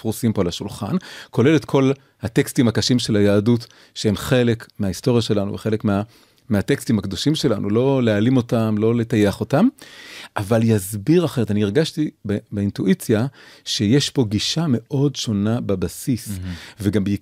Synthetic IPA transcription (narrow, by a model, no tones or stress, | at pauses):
fʁusimpolaʃulχa̰nkʰo̞le̞le̞t̪kʰo̞l | hat̪ekstimhakaʃimʃe̞lajaːdut | ʃehemχe̞le̞kmeaisto̞ʁjaʃe̞lanṵveχe̞le̞kmea | meatekstimhakd̪o̞ʃimʃe̞lanʔṵlo̞lealimo̞tamlo̞letajeaχo̞tamʔavaljazbiʁaχe̞ʁetanieʁɡaʃtibebeintuʔit͡sjaʃejeʃpo̞ɡiʃame̞ʔo̞dʃo̞nabebasisveɡambei